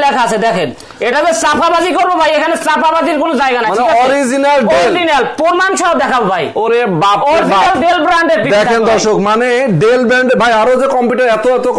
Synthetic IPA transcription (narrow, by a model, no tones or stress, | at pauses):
lɛkʰasʰed̪ɛkʰen | eʈazesapʰabad͡ʑikoɾbobʱajekʰanesapʰabad͡ʑiɾkonod͡ʑaeɡanaanaɔɾizinalɾizinalpoɾmant͡ʃʰaod̪ɛkʰabobʱajoɾe | bapɔɾiizinalɖelbɾaɳɖeɾpid̪ɛkʰend̪ɔɾʃokmaneɖelbɾaɳɖebʱajaɾozekɔmpjuʈaɾɛt̪oɛt̪o